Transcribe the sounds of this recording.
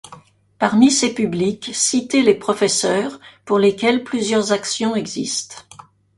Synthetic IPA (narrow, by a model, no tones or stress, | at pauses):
paʁmisepyblikʲsit̪elepχɔfɛsœːʁpuʁlekʲɛlplyzjœʁzaksjɔ̃ɛɡzḭst̪